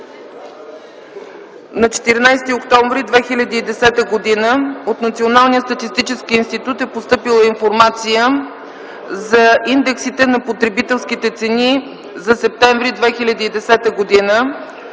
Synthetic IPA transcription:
nɐt͡ʃɛ̥t̪iɾnajst̪iokt̪ɔ̃ɱvɾid̪vɛxilʲɐd̪iːd̪ɛsɛt̪əɡod̪inəot̪nɐt̪sionalˠnijətst̪ɐt̪ist̪it͡ʃɛskiːnst̪it̪ut̪ɛpost̪ɤpilˠəinfoɾmat̪sijə | zɐind̪ɛksit̪ɛnɐpot̪ɾɛbit̪ɛlˠskit̪ɛt̪sɛni | zɐsɛp̚t̪ɛɱvɾid̪vɛxilʲɐd̪iːd̪ɛsɛt̪əɡod̪inə

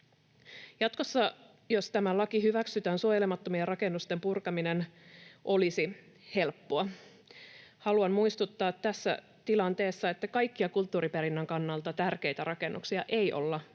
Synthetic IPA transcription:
jɑt̪ko̞sːɑ | jo̞st̪æmælɑkihyʋæksyt̪æːnsuojelemɑt̪ːo̞mierɑke̞nːust̪e̞mpurkɑminenʔo̞lisi | he̞lpːoɑ | hɑluɑnmuist̪ut̪ːɑːt̪t̪ːæsːæ̰ | t̪ilɑnt̪e̞ːsːɑe̞t̪ːækɑjkːiɑkult̪ːuːɾipeɾinːæŋkɑnːɑlt̪ɑt̪ærke̞jt̪æɾɑke̞nːʔuksiɑʔe̞jʔo̞̰lːɑ

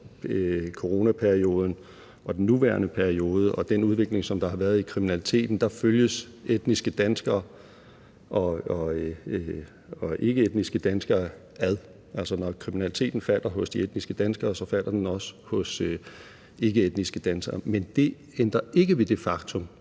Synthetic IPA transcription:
kʰo̝ʁo̝ːnæpʰæɐio̝ːð̞ˠn̩ | ʔɒ̽d̥enːuʋæːɐnəpʰæɐio̝ːð̞ˠəʔɒ̽d̥enuð̞ˠʋe̝ɡ̥le̝ŋsɒ̽md̥ɑ̈hɑ̈ʋæɐð̞̩ˠikʰʁiminælit͡sʰe̝̰ːd̥n̩d̥ɑ̈føljəsed̥nisɡ̥əd̥ænsɡ̥ɐː | ʔɒ̽ɒ̽ | ɒ̽ʔe̝ɡ̥əed̥nisɡ̥əd̥ænsɡ̥ɐː | æð̞ˠ | ʔæl̰sɒnɒkʰʁiminælit͡sʰe̝̰ːd̥n̩fæl̰ʔɐɦɔ̽sd̥ied̥nisɡ̥əd̥ænsɡ̥ɐːsɒ̽fæl̰ɐd̥enɒ̽sə̥hɔ̽sø | e̝ɡ̥əed̥nisɡ̥əd̥ænsɡ̥ɐːmend̥e̝ | end̥ʁɐʔe̝ɡ̥əʋe̝d̥e̝fɑ̈ɡ̥t͡sʰɔ̽m

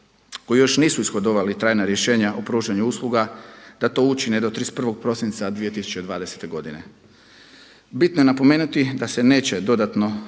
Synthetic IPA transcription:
ko̞jijo̞ʃniːsuisxod̪o̞ʋalit̪ɾaːjnaɾje̞ʃe̞ːɲaʔopɾuːʒaɲuuːslˠuɡad̪̥at̪o̞ut͡ʃined̪o̞t̪ɾispr̩ʋo̞ɡ̚pɾo̞sint̪sad̪ʋije̞t̪isu̥t͡ʃt͡ɕe̞d̪ʋaːd̪e̞se̥t̪e̞ɡo̞d̪ine̞ | bit̪no̞je̞napo̞me̞ːnut̪id̪ase̞ne̞ːt͡ɕe̞d̪o̞d̪at̪no̞

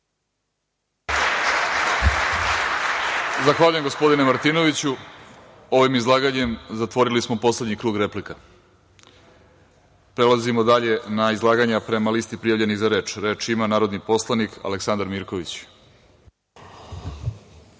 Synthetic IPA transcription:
zaxʋaːʎujemɡospo̞d̪inemaɾt̪ino̞ʋit͡ɕu | o̞ʋimizlˠaːɡaɲe̞mzat̪ʋo̞ɾilismo̞po̞sle̞d̪ɲikɾuːɡɾe̞plika | pɾe̞lazimo̞d̪aʎe̞naizlˠaːɡaɲapɾemaliːst̪ipɾijavʎe̞niɣzaɾe̞ːt͡ʃɾe̞ːt͡ʃimanaːɾo̞d̪nipo̞slˠanika̰leksand̪aɾmiːɾko̞ʋit͡ɕ

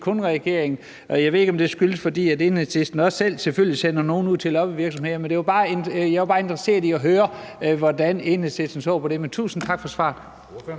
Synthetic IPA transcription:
kʰɔnʁɛɡ̥e̝ɐeŋn̩ | ɒjɑɪʋe̝eɡɒ̽md̥e̝sɡ̥yləsfɒ̽d̥ḭːæde̝nhesesd̥n̩ɒ̽sel̰selføl̰lisenɐno̝ːn̩uð̰ˠʰe̝lɒ̽b̥iʋiɐɡ̥sɒ̽mhe̝ð̰ˠmend̥e̝ʋɑb̥ɑ̈ːenjaɪʋɑ̈b̥ɑ̈ːe̝nd̥ʁɐse̝̰ɐiɒɦøːɐ | ʋɒd̥ænenese̥sn̩sɒ̰ʊpʰɒ̽d̥e̝ment͡sʰṵːsn̩t͡sʰɑ̈ɡ̥fɒ̽sʋɑ̰̈ːd̥ˠ

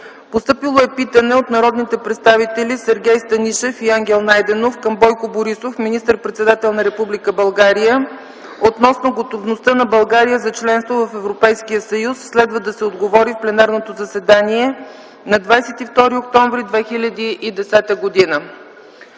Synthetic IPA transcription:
post̪ɤpilˠoɛpit̪ənɛot̪nɐɾɔd̪nit̪ɛpɾɛt̪st̪avit̪ɛlʲisɛɾɡʲɛjst̪ɐniʃɛfiaŋɡʲɛlˠnajd̪ɛnofkəmbɔjkoboɾisofminist̪əɾpɾɛt̪sɛd̪at̪ɛlˠnɐɾɛpublikəbɐlˠɡaɾijə | ot̪nɔsnoɡot̪ovnost̪ənɐbɐlˠɡaɾijəzɐt͡ʃlɛnst̪vovəfɛvɾopɛjskijəsəjusːlɛd̪vəd̪ɐsɛod̪ɡovɔɾifplɛnaɾnot̪ozɐsɛd̪aniɛ | nɐd̪vajsɛt̪ift̪ɔɾiokt̪ɔɱvɾid̪vɛxilʲəd̪iʔid̪ɛsɛt̪əɡod̪inə

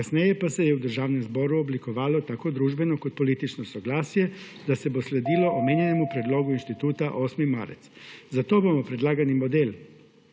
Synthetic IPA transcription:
asnejepasejeud̪ɾr̩ʒaːʋnemzbo̞ɾuoblikoʋaːlo̞t̪ako̞d̪ɾuːʒbe̞no̞kod̪̚po̞lit̪it͡ʃnosoɡlaːsije̞ | d̪ase̞bosled̪ilo̞ʔomeɲenemupɾed̪lo̞ɡuinst̪it̪uːt̪aʔo̞ːsmima̰ɾ̰t̪szat̪obamopɾed̪lˠaːɡanimo̞d̪el

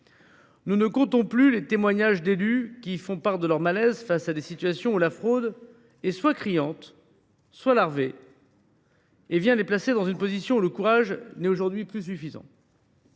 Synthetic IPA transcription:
nunəkɔ̃t̪ɔ̃plylet̪emwaɲaʒd̪elykʲifɔ̃paʁd̪əlœʁmalɛzfasad̪esit̪ɥasjɔ̃ulafχod̪ | ɛswakχijɑ̃t̪ | swalaʁve | vjɛ̃leplased̪ɑ̃zynpozisjɔ̃uləkuʁaʒnɛoʒuʁd̪ɥiplys̬yfizɑ̰̃

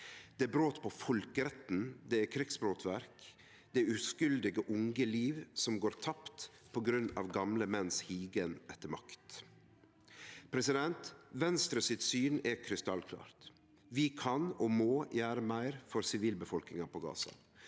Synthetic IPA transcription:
d̪̥ɛbɾoːt̪pʰɔfɔlkəɾɛt̪n̩d̪ɛɛkʰɾɪksbɾoːt̪ʰʋæɾk | d̪ɛʉskʉld̪ɪɡəʔʊŋɡəliːʋsɔmɡoːɾt̪ʰɑpt̪ | pʰɔɡɾʉnːɑ̰ːʋɡɑmləmɛnshiːɡənʔɛt̪ːəmɑkt̪ | pʰɾɛsɪd̪ɛnt̪ʋɛnst̪ɾəsɪt̪syːnɛkʰɾɪst̪ɑlkʰlɑ̰ːɾt̪ | ʋɪkʰɑnɔmoːjæːɾəmæɪɾfɔɾsɪʋiːlbəfɔlknɪŋɑpʰɔɡɑ̰ːsɑ̰

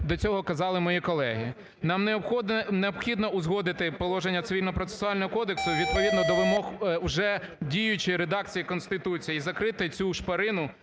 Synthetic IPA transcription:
d̪ɔt͡sʲɔɦɔkɐzɑlˠɪmɔjikɔlˠɛɦi | nɑmneɔxɔd̪neɔbxʲid̪nɔʊzɦɔd̪ɪt̪ɪpɔlˠɔʒenʲːɐt̪sɪʋʲilʲnɔpɾɔt̪se̥sʊɑlʲnɔɦɔkɔd̪eksʊʋʲid̪̚pɔʋʲid̪nɔd̪ɔʋɪmɔxwʒɛ | dʲijʊt͡ʃɪɾed̪ɑk̚t͡sʲijikɔnst̪ɪt̪ut͡sʲijizɐkɾɪt̪ɪt͡sʲuʃpɐɾɪnʊ

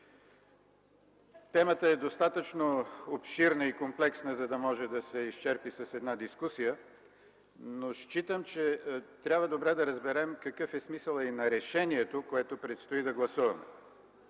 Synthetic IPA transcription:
t̪ɛmət̪əɛd̪ost̪at̪ət͡ʃnoopʃiɾnəikomplɛksnəzɐd̪ɐmɔʒɛd̪ɐsɛiʃt͡ʃɛɾpisɐsɛd̪nad̪iskusijə | noʃt͡ʃit̪əmt͡ʃɛt̪ɾʲabvəd̪obɾɛd̪ɐɾəzbɛɾɛmkɐkɤfɛsmisəlˠɐinɐɾɛʃɛniɛt̪okoɛt̪opɾɛt̪st̪oid̪ɐɡlˠɐsuvɐmɛ

